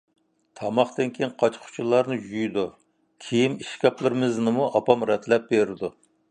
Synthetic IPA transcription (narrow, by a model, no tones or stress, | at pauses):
t̪ʰɑmɑχt̪ɨnkʲʰejiŋqʰɑt͡ʃqʰʊ̥t͡ʃʰulˠːɑɾnɨd͡ʒujd̪u | kʲʰejimiʃkʲɑplˠɨɾɨmɪznɨmuʔɑpɑmɾɛt̪ʰlɛp̚beɾɪd̪u